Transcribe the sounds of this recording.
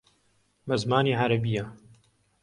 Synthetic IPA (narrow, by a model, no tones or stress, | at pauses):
mɐzmaːniːʕaɾɐbija